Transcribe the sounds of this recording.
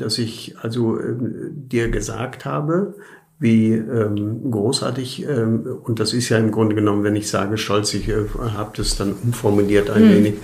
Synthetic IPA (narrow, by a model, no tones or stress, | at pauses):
d̥asɪçʔalzoʔɛ̰ːd̥iːɐɡəza̰ːkthaːbə | viːʔɛːmɡʁoːsʔa̰ːɐtɪçɛːʊnt̚d̥asɪstjaːɪmɡʁʊndəɡənɔmənvɛnɪçz̥a̰ːɡəʃtɔlt͡sɪçɛhaːbəd̥asd̥anʔʊmfɔɐmuliːɐtaɪnveːnɪç